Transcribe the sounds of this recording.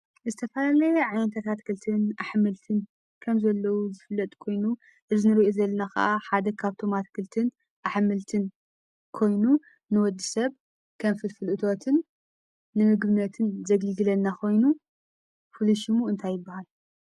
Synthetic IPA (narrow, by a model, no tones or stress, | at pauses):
zɨt̪ʰɐfɐlalɐjɛʕajnt̪ʰat̪ʰat̪kʰɨlt̪ʰɨnʔaħmɨlt̪ʰɨn | kʰɐmzɐlːɐwuzɨfɨlːɐt̪ʼkʰo̞jnu | ʔɨzɨnɨɾiʔozɐlːɐnakɐ̰ʔaħad̪ɐkʰaβt̪ʰomat̪kʰɨlt̪ʰɨn | ʔaħmɨlt̪ʰɨn | kʰo̞jnu | nɨwɔd̪ːɨsɐβ | kʰɐmfɨlfɨlʔɨt̪ʰo̞t̪ʰɨnː | ɨmɨɡbɨnɐt̪ʰɨnzɐɡɨlɡɨlɐnːakʰo̞jnu | fɨluʃimuɨnt̪ʰajːɪbːahal